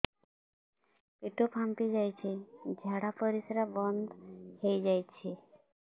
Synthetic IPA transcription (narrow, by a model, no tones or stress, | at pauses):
peʈopʰampid͡ʒajt͡ʃʰed͡ʒʱaɽapɔɾisɾabɔnd̪ʱhejd͡ʒajt͡ʃʰe